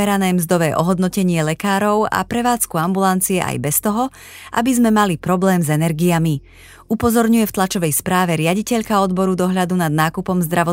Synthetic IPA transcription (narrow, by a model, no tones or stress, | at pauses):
ɛɾanɛːmzd̪ɔʋɛːʔɔɦɔd̪nɔcɛɲɪɛlɛkaːɾɔʊa̰pɾɛʋaːt͡skuambulant͡siɛa̰jbɛst̪ɔɦɔ | ʔa̰bizmɛmalipɾɔblɛːmzɛnɛɾɡiami | upɔzɔɾɲujɛft̪lat͡ʃɔʋɛjspɾaːʋɛɾɪaɟicɛʎkaɔd̪bɔɾud̪ɔɦʎad̪unad̪naːkupɔmzd̪ɾaʋɔ